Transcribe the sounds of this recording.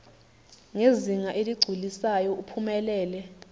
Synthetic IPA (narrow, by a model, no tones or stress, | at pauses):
ŋeziŋaʔeliɡ͡ǀʱulisajɔupʰumɛlɛːlɛ